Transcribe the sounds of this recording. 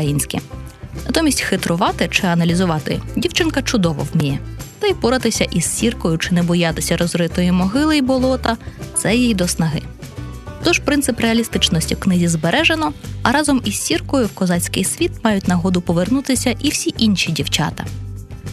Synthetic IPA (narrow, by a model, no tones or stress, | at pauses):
ɐjinʲsʲkʲḭnɐt̪ɔmʲisʲtʲxɪt̪ɾʊʋɑt̪ɪt͡ʃɪɐnɐlʲizʊʋɑt̪ɪ̰dʲiwt͡ʃɪnkɐt͡ʃʊd̪ɔʋɔ̰wmʲijɛt̪ɐjpɔɾɐt̪ɪsʲɐʔizʲsʲirkɔjʊt͡ʃɪnɛbɔjɑt̪ɪsʲɐɾɔzɾɪt̪ɔjimɔɦɪlˠɪjbɔlˠɔt̪ɐt̪sɛjijd̪ɔsnɐɦɪ | t̪ɔʒpɾɪnsɪpɾeɐlʲist̪ɪt͡ʃnɔsʲtʲiwknɪzʲizbeɾʔɛʒenɔɐɾɑzɔmisːʲirkɔjʊwkɔzɑt͡sʲkɪ̰jsʲʋʲit̪̚mɑjʊtʲnɐɦɔd̪ʊpɔʋernut̪ɪsʲɐʔiwsʲiʔinʲʃʲidʲiwt͡ʃɑ̰t̪ɐ